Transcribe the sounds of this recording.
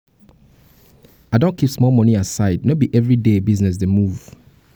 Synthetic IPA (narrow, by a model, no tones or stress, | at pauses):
aɪdõnkʰipsmɔlˠmɔniasaɪd̚nobiʔɛvɹidebiznɛs̬demuv̥